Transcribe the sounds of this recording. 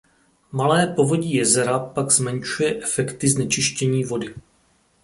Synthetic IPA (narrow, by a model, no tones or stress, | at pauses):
malɛːpo̞vo̞ɟiːjɛzɛɾapaɡzmɛnt͡ʃujɛʔɛfɛkt̪ɪznɛt͡ʃɪʃcɛɲiːvo̞dɪ